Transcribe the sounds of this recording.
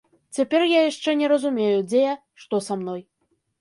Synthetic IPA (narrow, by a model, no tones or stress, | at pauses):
t͡sʲapʲɛrjajaʂt͡ʂɛnʲɛɾɐzumʲejud͡zʲeja | ʂt̪ɔsamn̪ɔj